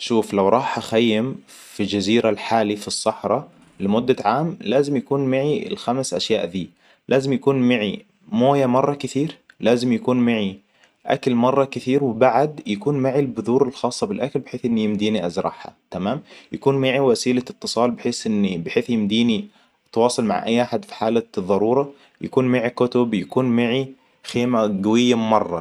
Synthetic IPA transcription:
ʃuːflawɾˤɑːħʔaxajːɪm | fild͡ʒaziːɾalħaːlifisˤːɑħɾˤɑ | lɪmʊd̪ːaʕaːmlaːzɪmjakuːnmaʕiɪ̰lxamsʔa̰ʃjaːʔd̪iː | lʔaːzɪmjakuːnmaʕi | moːjamɑrˤːɑkɪθiːɾ | laːzɪmjakuːnmaʕi | ʔa̰kalmɑrˤːɑkɪθiːɾwɪbaʕad̪jakuːnmaʕilbʊðuːɾɪlxɑːsˤːɑbɪlʔakalbħeːθʔɪnːijɪmd̪iːniʔazɾˤɑ̰ħha̰t̪amaːmjakuːnmɪʕiwasiːlaɪt̪ːɨsˤɑːlbɪħeːsʔɪnːibɪħeːθjɪmd̪iːni | t̪wɑːsˤɑlma̰ʕʔa̰jːʔaħad̪fi̥ħaːlaðˤːɑɾˤuːɾˤɑ | ja̰kuːnmɪʕikʊt̪ʊbjakuːnmaʕi | xeːmaɡawɪjːammɑrˤːɑ

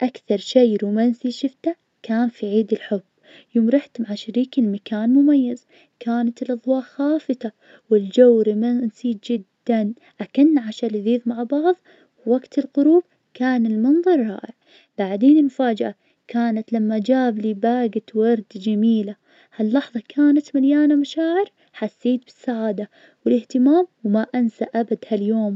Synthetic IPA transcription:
ʔakθɑɾˤʃajɾumansiʃɪft̪a | kaːnfiʕiːd̪ɪlħʊbː | jʊmɾɪħt̪maʕaʃaɾiːkɪlmakaːnmʊmajːaz | kaːnat̪ɪlʔɑðˤwɑːʔxaːfɨt̪a | wɪld͡ʒawɾimansiːt̪̚d͡ʒɪd̪ːan | ʔakɪnːʕaʃalɪðiːðmaʕbɑʕðˤ | waɡt̪ɪlqʊɾuːb̚ | kaːnɪlmɨnðˤɑɾˤːɑ̰ːʔɪʕ | b̥aʕd̪eːnɪnfaːd͡ʒaʔa | kaːnat̪lamːad͡ʒaːbliːbaːɡat̪wɑɾˤd̪d͡ʒamiːla | halːɑħðˤɑkʰaːnat̪maljaːnamaʃaːʕɪɾ | ħasːiːt̪̚bɪsːaʕaːd̪a | wɪlɪht̪ɪmaːmwmaʔansaʔabad̪haljoːm

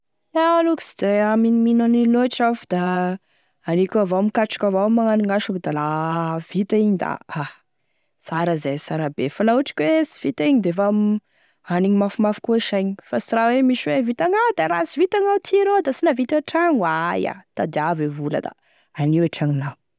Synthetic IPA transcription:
aaluku̥si̥d̪̥eaminiminaniloaʈ͡ʂafud̪̥a | anikʲavomkaʈ͡ʂi̥kʲavawamːaŋaniŋaʃukd̪alav̥it̪aiɲid̪a̰a | saɾəzesaɾabefalauʈ͡ʂi̥kʲwesi̥v̥it̪aiɲid̪efam | aniɲimafumafu̥kuʃajɲifasiɾawemiʃwevit̪aŋad̪aɾasivit̪aŋat̪ʰiɾod̪asinavit̪aʈ͡ʂaŋwaja̰d̪̥ad̪iavevulə̰d̪a̰ | aniaʈ͡ʂaŋina

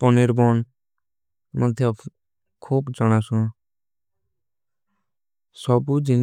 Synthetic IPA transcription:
pɔniɾbɔn | mɔd̪ʱjɔ | kʰuːbd͡ʒɔɽ̃asũ | sɔbud͡ʒin

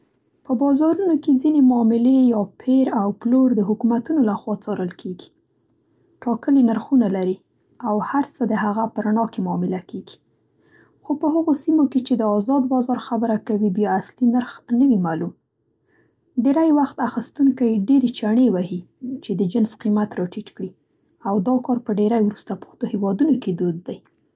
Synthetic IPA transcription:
pəbɑzɑɾunoked͡zinemʊɑmɪlejɑpʰeɾawploɾd̪əɦʊkumat̪unolaxwɑt͡sɑɾʔəlkʰeɡi̥ | ʈɑkəlinaɾxunalaɾi | awhaɾt͡səd̪əɦaɣapəɾaɳɑkemʊɑmɪlakeɡi̥ | xopəɦəɣosimoket͡ʃed̪əɑzɑd̪bɑzɑɾxabəɾakawibjɑaslinaɾxnəwimalum | ɖeɾajwaxt̪axist̪uŋkajɖeɾet͡ʃaɳewahi | t͡ʃed̪əd͡ʒɪnsqimat̪ɾɑʈiʈkɽi | awd̪ɑkɑɾpəɖeɾajwɾust̪apu̥xt̪ohewɑd̪unoked̪od̪̚ːaj

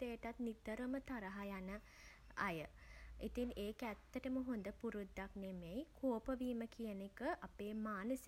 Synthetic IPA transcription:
t̪ejəʈat̪nit̪əɾəmət̪aɾəɦajanə | a̰jəit̪ineːkæt̪ːəʈəməɦond̪əpuɾud̪ːaknemejkʰoːpəʋiːməkijənekəʔapeːmaːnəsi

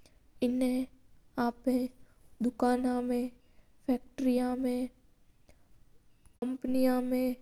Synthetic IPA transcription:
ɪnɦẽ | aːpẽ | d̪ʊkaːnãmẽ | pʰɛːk̚ʈɾijãmẽ | kə̃mpənijãmẽ

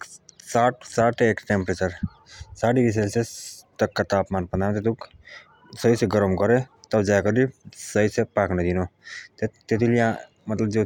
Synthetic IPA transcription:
saʈsaʈekʈempɾet͡ʃəɾ | saʈiɾis̬elset̪əkːat̪aːpmanpənd̪ant̪et̪uk | sʌiseɡɔɾəmɡʌɾet̪ʌbd͡ʒakɔlisʌɦisepakʰned̪inot̪t̪et̪ʰiljã | mət̪ləbd͡ʒo

